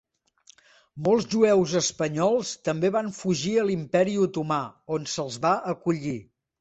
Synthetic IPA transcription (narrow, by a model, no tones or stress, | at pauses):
molˠzʒuɛwzəspəɲɔlˠst̪əmbeβaɱfuʒiəlimpɛɾiut̪umaonsəlˠzβaʔəkuʎi